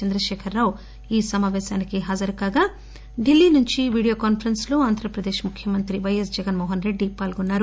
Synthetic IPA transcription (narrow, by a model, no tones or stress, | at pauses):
t͡ʃɐnd̪ɾɐʃɛːkʰɐɾːaːw | iːsɐmaːʋɛːʃaːnikiɦaːd͡ʒɐɾɐkaːɡaː | ɖilːiːnuɲt͡ʃiʋiːɽijoːkaːnpʰɐɾɐnsloːaːnd̪ʱɾɐpɾɐd̪eːʂmukʰjɐmɐnt̪ɾiʋɐjesd͡ʒɛɡɐnmoːɦɐnɾe̞ɖːipaːlɡonːaːɾu